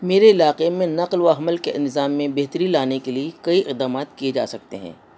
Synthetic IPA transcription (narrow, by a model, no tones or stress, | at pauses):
meːɾeɪlaːqemẽnɐqlʋaɦɐməlkeʔɪ̃nɪzaːmːẽbɛɦt̪ɾilaːnekeliekɐiɪqd̪aːmaːt̪kied͡ʒa̰ːsɐk̚t̪ḛɦɛ̰̃ː